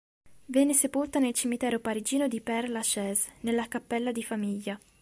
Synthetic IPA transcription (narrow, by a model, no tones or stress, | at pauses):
vjɛːnesepolt̪anelt͡ʃimit̪ɛːɾopaɾid͡ʒiːnod̪ipɛrlaʃɛːznelːakapːɛlːad̪ifamiʎːa